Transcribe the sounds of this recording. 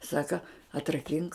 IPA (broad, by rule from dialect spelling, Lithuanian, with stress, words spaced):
ˈsɑːkɐ ɐtrɐˈkʲɪŋk